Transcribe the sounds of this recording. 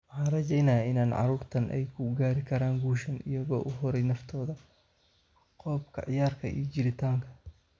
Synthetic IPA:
wħɑːnrɐt͡ʃɛjnɐjɪnaːnʕɑ̰ɾuːrt̪ʰɐnʔɛ̰jkʰʊɡaːɾɪkʰɐɾaːŋɡuːʃɐnɪ̰jɐɣɔːʔʊɦɔɾɛjnɐft̪ʰɔːðɐ | qɔːbkʰɐ̰ʕɪjaːrkʰɐʔḭjɔt͡ʃɪɾɪt̪ʰaːŋkʰɐ̥

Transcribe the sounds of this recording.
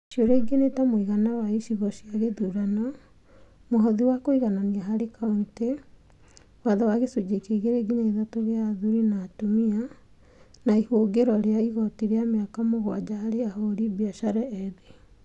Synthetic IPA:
ʃioɾeɡenetamoiɣanawaiʃiɣɔɕiaɣeðuɾanɔ | moɦɔðiwakoiɣananiaɦaɾekate | waðawaɣesud͡ʑekeɣeɾeɡineiðatoɣeaðuɾinaːtomia | naihoɡeɾɔɾeaiɣɔtiɾeameakamoɣwad͡ʑahaɾeahoɾibiaʃaɾɛːðe

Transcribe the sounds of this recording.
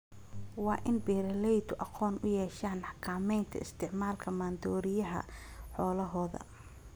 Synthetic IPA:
wɑːʔɪnbɛːɾɐlɛjd̪ʊʔɑqɔːnʔʊjɛːʃaːnħkʰaːmɛjnt̪ʰɐ̰ɪst̪ʰɪʕmaːlkʰɐmaːnd̪ɔːɾɪjɐɦɐ̰ | ħɔːlɐɦɔːðɐ̰

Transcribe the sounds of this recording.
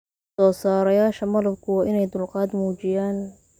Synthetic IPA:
sɔːsaːɾɐjaːʃɐmɐðɐb̚kʰʊwɑːʔɪnɛjd̪ʊlqɑːd̪muːt͡ʃɪjaːn

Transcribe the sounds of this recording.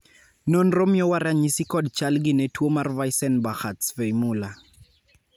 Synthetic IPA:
nɔnrɔmjɔwaɾaɲisikɔdt͡ʃalɡinetwomarvajsɛnbaxatsvejmula

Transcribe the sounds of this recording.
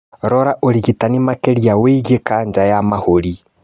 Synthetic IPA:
ɾɔɾaʔoliɣitanimakeɾjaweɣekaɲd͡ʒajamaholi

